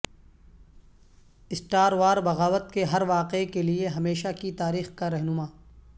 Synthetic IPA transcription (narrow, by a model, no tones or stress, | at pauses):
ɪsʈaːɾʋaːɾbɐɣaːʋət̪keɦɐɾʋaːqekelieɦɐmeːʃakit̪aːɾiːxkaɾɛɦnʊmaː